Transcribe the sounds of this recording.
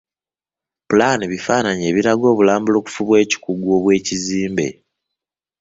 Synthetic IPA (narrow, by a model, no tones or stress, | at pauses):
pulaniβifaːnaɲe̞ːβiɾaɡo̞ːβulaːmbulo̞ːku̥fuβwe̞ːci̥kuɡwo̞βwe̞ːciziːmbe̞̰